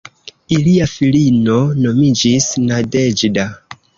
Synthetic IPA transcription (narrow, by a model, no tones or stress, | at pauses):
iliafilino̞no̞mid͡ʒisnade̞d͡ʒda